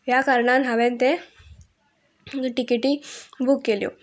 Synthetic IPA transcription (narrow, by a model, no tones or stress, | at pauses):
ʋjakaɾɳanɦaʋent̪e | ʈikeʈibukːeljo̰